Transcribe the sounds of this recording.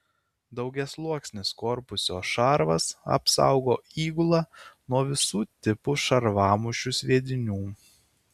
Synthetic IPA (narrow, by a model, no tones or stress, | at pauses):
d̪ɐʊɡʲɛslˠuɔksʲnʲɪskɔɾpʊsʲoːʃɑɾʋɐ̰sɐ̰psɑ̰ˑʊɡoːiːɡʊlˠɑːnuɔʋʲɪsuːt̪ʲɪpʊʃɐɾʋɑːmʊʃʲʊsʲʋʲiɛd̪ʲɪnʲuː